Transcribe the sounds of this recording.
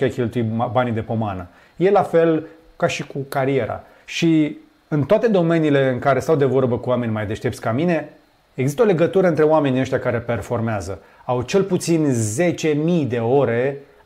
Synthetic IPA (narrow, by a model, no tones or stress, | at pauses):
ajkʲelt̪uimbanid̪e̞po̞manə | je̞lafe̞l | kaʃikukaɾie̞ɾa̰ | ʃi | ɨnt̪oat̪e̞d̪o̞me̞niːle̞ɨŋkaɾe̞st̪awd̪e̞vo̞rbəkuwame̞nʲmajd̪e̞ʃt̪e̞p̚tsʲkamine̞ | eɡzist̪əo̞le̞ɡət̪uɾəɨnt̪ɾe̞oame̞nieʃt̪ʲjakaɾe̞pe̞rfo̞rmeazə | awt͡ʃe̞lput̪sinze̞t͡ʃe̞mijd̪e̞o̞ɾe